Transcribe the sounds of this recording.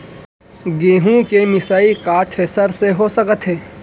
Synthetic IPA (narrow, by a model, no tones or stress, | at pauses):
ɡeːɦũkemɪsaːikaːt̪ʰɾeːsəɾseɦosɐkət̪ɦeː